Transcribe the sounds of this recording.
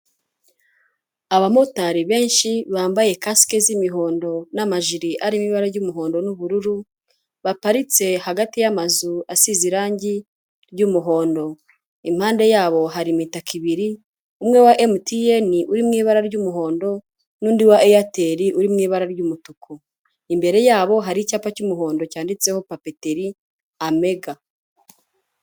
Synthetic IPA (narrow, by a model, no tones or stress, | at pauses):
aβamo̞taɾiβe̞ːnʃiβaːmbaje̞kaske̞zimiɦo̞ːndo̞namaʒiɾiʔaɾimiβaɾaɾɟumuɦo̞ːndo̞nuβuɾuɾu | βapaɾit͡se̞haɡatijamazuasiziɾaːɲɟi | ɾɟumuɦo̞ːndo̞ | im̥haːnde̞jaːβo̞ɦaɾimitakiβiɾi | umŋe̞waʔemutieniʔuɾimŋiːβaɾaɾɟumuɦo̞ːndo̞ | nuːndiwaʔejateɾiʔuɾimŋiːβaɾaɾɟumutukʰo | imbe̞ɾe̞jaːβo̞ɦaɾicaːpacumuɦo̞ːndo̞caːndit͡se̞ho̞pape̞te̞ɾi | ame̞ɡa